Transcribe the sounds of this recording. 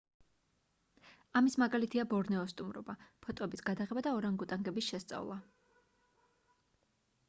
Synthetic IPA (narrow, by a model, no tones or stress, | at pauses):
amismaɡalit̪ʰiabɔɾnɛɔst̪ʼumɾɔbapʰɔt̪ʼɔɛbisɡad̪aʁɛbad̪aɔɾaŋɡut̪ʼaŋɡɛbisʃɛst̪sʼa̰vlˠa